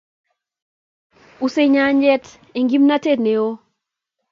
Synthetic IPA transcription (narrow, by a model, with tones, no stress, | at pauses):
u˨se˦ɲa˦ɲd͡ʒɛ˦t | e˨ŋɡi˦mna˦te˦˨tne˨o˦